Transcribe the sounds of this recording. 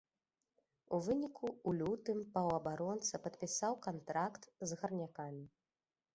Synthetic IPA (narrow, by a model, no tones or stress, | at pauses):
uvɨnʲikʰuulʲut̪ɨmpɐwɐbaɾɔnt̪sɐpɐt̪̚pʲisawkant̪ɾakt̪zɣɐrnʲakamʲi